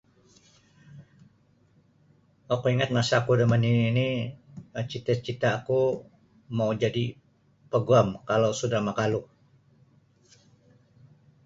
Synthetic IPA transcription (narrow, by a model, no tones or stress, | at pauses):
akuiŋat̪̚ŋasakudəməninːniət͡ʃit̪at͡ʃit̪aaku | maud͡ʒadi | pəɡuamkalawsudahmakaluh